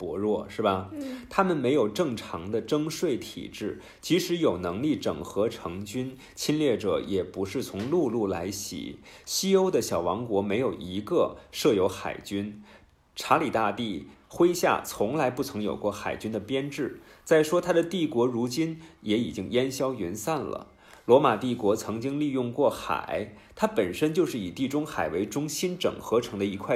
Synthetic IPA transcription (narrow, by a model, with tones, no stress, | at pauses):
pwɔ˧˥ɻwɔ˥˩ʂɻ̩˥˩bɐ˩t̪ʰa˥mə˨nme˧˥ɪjo˨˩ʊʈ͡ʂɤ˥˩ŋʈ͡ʂʰɑ˧˥ŋd̪ə˧ʈ͡ʂɤ˥ŋʂwe˥˩ɪt̪ʰḭ˨˩ʈ͡ʂɻ̩˥˩ | t͡ɕi˧˥ʂɻ̩˧˥jo˨˩ʊnɤ˧˥ŋli˥˩ʈ͡ʂɤ̰˨˩ŋxɤ˧˥ʈ͡ʂʰɤ˧˥ŋt͡ɕy˥n | t͡ɕʰi˥nljɛ˥˩ʈ͡ʂɤ̰˧˩˦jɛ˨˩pu˧˥ʂɻ̩˥˩t͡sʰʊ˧˥ŋlu˥˧lu˥˩la̰˧˥ɪɕḭ˨˩ɕi˥o˥ʊd̪ə˨ɕjɑ˨˩ʊwɑ˧˥ŋkwɔ˧˥me˧˥ɪjo˨˩ʊʔi˧˥ɡə˧ʂɤ˥˩jo˧˥ʊxa̰˨˩ɪt͡ɕy˥n | ʈ͡ʂʰa˧˥li˨˩t̪a˥˧t̪i˥˩xwe˥ɪɕja̰˥˩t͡sʰʊ˧˥ŋla˧˥ɪpu˥˩t͡sʰɤ˧˥ŋjo̰˨˩ʊkwɔ˥˩xa˨˩ɪt͡ɕy˥nd̪ə˨pjɛ˥nʈ͡ʂɻ̩˥˩t͡sa˥˩ɪʂwɔ˥t̪ʰa˥d̪ə˨t̪i˥˩kwɔ˧˥ɻu˧˥t͡ɕi˥njɛ˧˥i˨˩t͡ɕi˥ŋjɛ˥nɕjɑ˥ʊy˧˥nsa˥˩nlə̰˩ | lwɔ˧˥ma˨˩t̪i˥˩kwɔ˧˥t͡sʰɤ˧˥ŋt͡ɕi˥ŋli˥˧jʊ˥˧ŋkwɔ˥˩xa̰˨˩˦ɪ | t̪ʰa˥pə˨˩nʂə˥nt͡ɕjo˥˧ʊʂɻ̩˥˩i˨˩t̪i˥˩ʈ͡ʂʊ˥ŋxa˨˩ɪwe˧˥ɪʈ͡ʂʊ˥ŋɕi˥nʈ͡ʂɤ̰˨˩ŋxɤ˧˥ʈ͡ʂʰɤ˧˥ŋd̪ə˧i˧˥kʰwa˥˩ɪ